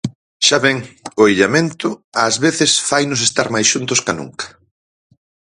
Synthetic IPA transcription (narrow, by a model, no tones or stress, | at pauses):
ʃaβɛŋʊeʎamẽnt̪ʊazβeθɪsfajnʊs̬est̪aɾmajsʃunt̪ʊskanṵŋkɐ̥